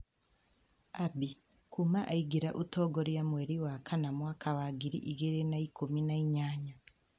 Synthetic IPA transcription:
abi | kumaʔaiɡiɾaʔutoɡoɾijamweɾiwakʰanamwakʰawaɡiɾḭʔiɡeɾenaikuminaiɲaːɲa

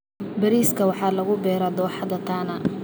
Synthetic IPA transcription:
bɐɾiːskʰɐwɑħɑːlɐɣʊbɛːɾɐd̪ɔːħɑd̪ɐt̪ʰaːnɐ

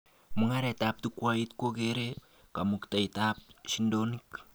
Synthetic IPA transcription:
muŋaɾɛtap̚tukwait̚kokeɾe | kamuktaitap̚sindonik

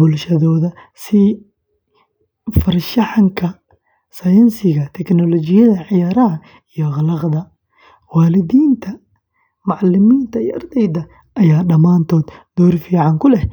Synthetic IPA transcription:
bʊlʃɐðɔːðɐ | sɪ | fɐrʃɐħɑŋkʰɐ | sɐjɐnsɪɣɐt̪ʰɛknɔlɔt͡ʃɪjɐðɐʕɪjaːɾɐɦɐ | ijɔɣɑlɐqðɐ | waːlɪðiːnt̪ʰɐ | mʊʕlɪmiːnt̪ʰɐijɐ̰rd̪ɛjd̪ɐ | ʔɐjaːɖɐmaːnt̪ʰɔːd̪d̪ɔːrfiːʕɑŋkʰʊlɛh

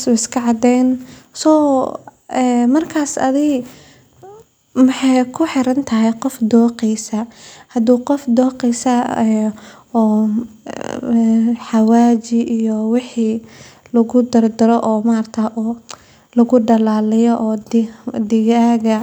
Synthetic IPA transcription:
sʊɪskʰɐʕɑd̪ɛnsɔː | ɛːmɐrkʰaːsɐ̰ðɪ | mɐħɑjkʰʊħɪɾɐnt̪ʰɐɦɛjqɔfd̪ɔːqɛjsɐhɐd̪uːqɔfd̪ɔːqɛjsɐɛː | ħɑwaːt͡ʃɪʔijɔwɑħiːlɐɣʊd̪ɐrd̪ɐɾɔʔɔːmaːrt̪ʰɐʔɔː | lɐɣʊɖɐlaːlɪjɔʔɔːd̪ɪɣaːɣɐ

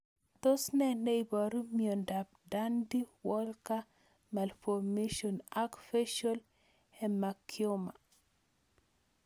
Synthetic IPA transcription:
t̪osnɛnɛibɔɾomjɔndap̚dandiwɔlka | malfɔrmeʃɔnakfeʃol | ɛmakʰːjoma

